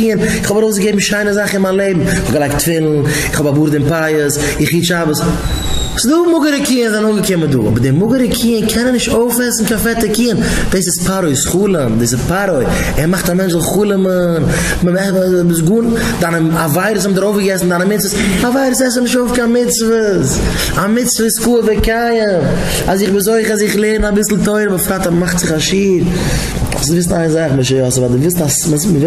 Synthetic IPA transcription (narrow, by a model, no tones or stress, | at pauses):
iːənɪχhɔbaɾoʊs̬ɡəɡeɪbm̩ʃaɪnəzaχɪnmanlˠeɪbm̩ɪχɔbɡəlaɪktfɪlˠn̩ | ɪχhɔbabuːɾdɪmpajəs | ɪχjiːt͡ʃabəs | sɪduːmʊɡəɾəkiːənzanoːɡəkɪmədṵːɔ̰bəɾdɪmʊɡəɾəkʰiːənkʰɛnənɪʃtoʊfɛsn̩kanfɛtəkiːən | d̥eɪsɪspaɾoɪsχuːlˠəmdeːsɪpaɾɔɪ | ɛɾmaχtamɛnt͡ʃzɔlχuːlˠəmən | məɛbɪsɡuːn | danəavaɪɾəs̬hɛmdəɾoʊfɡəɡɛsn̩danəmɪt͡svəs | avaɪɾəsɛs̬ənɪʃtoʊfkanmɪt͡svəs | amɪt͡svəskuːəvɪkajəm | azɪχbɪzoɪχəazɪχlˠeːɾənabɪsl̩ˠtoɪɾəbəfɾatamaχtz̥ɪχaʃiːɾ | ɔ̰psɪvɪs̬naɪnzaχməʃəjɔsvadɪvɪstasməməɪ